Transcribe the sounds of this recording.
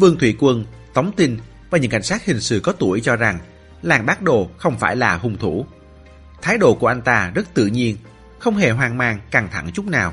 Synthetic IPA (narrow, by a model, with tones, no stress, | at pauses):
vɨ˧əŋt̪ʰwḭ˧˩kwə˧n | t̪ə˨˦wŋ͡mt̪i˧n | vaː˨˩ɲɨ̰˧˥ŋka̰˧˩jŋ̟saː˦˥t̚hï˨˩ŋ̟sɨ̰˧˩kɔ˨˦t̪u˧˩əjt͡ɕɔ˧za˨˩ŋ | laː˨˩mɓaː˦˥t̚ɗo˨˩xə˧wŋ͡mfaː˧˩jlaː˨˩hʊ˨˧˩ŋ͡mt̪ʰu˧˩ | t̪ʰaː˨˦jɗo̰˧˨ku˧˩əʔa˧jŋ̟t̪aː˧zə˦˥t̚t̪ɨ̰˧˨ɲi˧ən | xə˧wŋ͡mɦe˨˩ɦwaː˨˩ŋmaː˧ŋkaː˨˩ŋt̪ʰa̰˧˩ŋt͡ɕʊ˦˥k͡p̚naː˨˩w